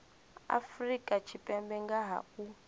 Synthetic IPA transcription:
a̰frikʼat͡ʃʰipʼɛmbɛŋɡaɦa̰u

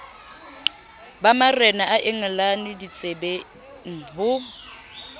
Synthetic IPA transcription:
bamarɛnaʔaʔɪŋ̩lanɪdit͡sʼebɛ | ŋ̩ɦʊ

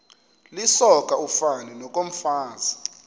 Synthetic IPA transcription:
lisɔk̬ʼaufaninɔk̬ʼom̩faːzi

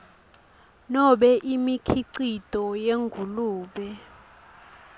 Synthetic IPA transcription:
nɔɓɛʔimikʰiǀitʼɔjeŋɡʱuluːɓɛ

